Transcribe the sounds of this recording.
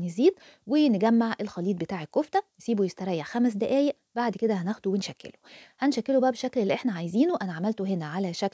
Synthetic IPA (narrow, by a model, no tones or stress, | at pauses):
neziːd̪̚ | wenɡæmːaʕʔelxɑliːt̪̚bet̪aːʕekːoft̪æjesiːbojest̪ɑɾˤɑjːeʕxæmæs̬d̪æʔæːjeʔ | baʕd̪ked̪æhænæxd̪owenʃækːḛlo̥hænʃækːelobæʔæbeʃæklelːiʔeħnæʕajziːnuwʔænæʕamælt̪oɦenæʕalæʃæk